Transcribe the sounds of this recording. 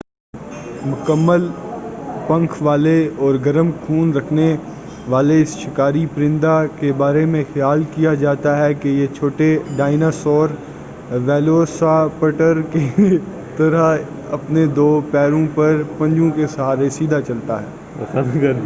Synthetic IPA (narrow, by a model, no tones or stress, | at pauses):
mʊkəmːəl | pɐ̃ŋkʰʋaːleɔːɾɡɐɾəmkʰuːnɾɐkʰne | ʋaːleɪsʃɪkaːɾipɾɪ̃nd̪akebaːɾemẽxɐjaːlkijad͡ʒaːt̪aɦɛkejet͡ʃʰoːʈeɖaːɪnasɔːɾ | ʋɛːloːsapəʈəɾke | t̪ɐɾəɦ | ɐpned̪oːpɛːɾõpɐɾpɐ̃ɲd͡ʒõkesɐɦaːɾesiːd̪ʱat͡ʃɐlt̪a̰ɦɛ̰ː